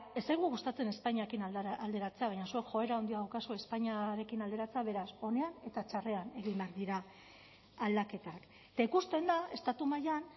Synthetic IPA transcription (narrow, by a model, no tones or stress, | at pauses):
esajɣuɣust̪at͡se̞ne̞spaɲiakinald̪e̞ɾat͡seaβajɲasue̞kxo̞e̞ɾao̞nd̪iaðwkasue̞spaɲaɾe̞kinald̪e̞ɾat͡se̞aβ̞e̞ɾaso̞ne̞ane̞t̪at͡ʃare̞ane̞ɣimbeaɾðiɾaː | ld̪ake̞t̪ak | t̪aikust̪e̞nd̪ae̞st̪at̪umajan